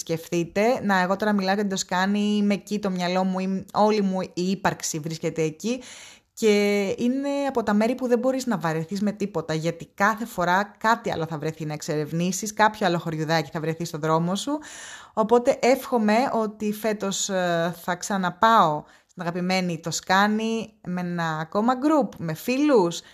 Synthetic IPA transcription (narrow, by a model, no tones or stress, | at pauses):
sce̞fθit̪e̞nɐeɣo̞t̪o̞ɾɐmilɐoɐt̪id̪oskɐnimecit̪o̞mɲɐlo̞muio̞limuiipɐɾksivɾisce̞t̪e̞ːci | ce̞ine̞ɐpo̞t̪ɐme̞ɾipuðebo̞ɾiznɐvɐɾeθizme̞t̪ipo̞t̪ɐʝɐt̪ikɐθe̞fo̞ɾɐkɐt̪iɐ̰loθɐvɾeθinɐekse̞ɾe̞vnisiskɐpçoalo̞xo̞ɾʝuðɐci̥θɐvɾeθist̪o̞ðɾo̞mo̞suo̞po̞t̪e̞ʔe̞fxo̞me̞o̞t̪ife̞t̪o̞sθɐksɐnɐpɐo̞ | st̪inɐɣɐpime̞nit̪o̞skɐnimenɐːko̞mɐɡɾupme̞filus